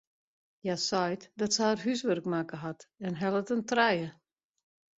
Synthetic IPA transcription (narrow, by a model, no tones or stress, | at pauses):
jasɔjtdɔtsaərɦysʋørkmakəɦatɛnɦɛlˠətəntrɛjə